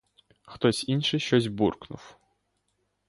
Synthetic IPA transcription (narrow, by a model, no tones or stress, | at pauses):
xt̪ɔsʲinʃɪjʃt͡ʃɔzʲbṵrknʊ̰w